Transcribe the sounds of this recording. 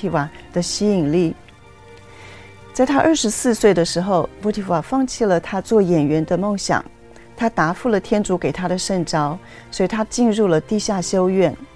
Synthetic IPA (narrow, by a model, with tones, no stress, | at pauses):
i˧˩wa˨˩d̪̥ə˦ɕi˥i˨˩ŋli˥˩ | t͡sa˥˩ɪt̪ʰa˥ʔə˞˥˩ʂɻ̩˧˥sɹ̩˥˧swe˥˩ɪd̪ə˩ʂɻ̩˧˥xo˧ʊmwɔ˧˥t̪ʰi˨˩wa˨˩fɑ˥˧ŋt͡ɕʰi˥˩lə˩t̪ʰa˥t͡swɔ˥˩jɛ˨˩nɥɛ˧˥nd̪ə˧mo˥˩ŋɕjɑ̰˨˩˦ŋ | t̪ʰa˥t̪a˧˥fu˥˩lə˩t̪ʰjɛ˥nʈ͡ʂu˧˥ke˨˩ɪt̪ʰa˥ɾə˨ʂə˥˩nʈ͡ʂɑ˥ʊ | swɔ˧˥i˨˧˩t̪ʰa˥t͡ɕi˥˧nɻu˥˩lə˩t̪i˥˧ɕja˥˩ɕjo˥ʊɥɛ˥˩n